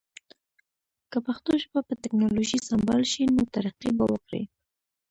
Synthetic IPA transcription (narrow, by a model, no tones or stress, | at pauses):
kəpaxt̪oʃbapət̪ɪknɑloʒisambɑlʃinot̪aɾaqibawəkɾḭ